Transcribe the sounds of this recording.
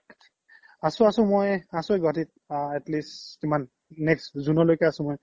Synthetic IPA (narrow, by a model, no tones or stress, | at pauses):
asʊ̃asʊ̃mojasojɡʱɔtit̚ɛtlisimanː | ɛkszunɔlojkɛasʊ̃moj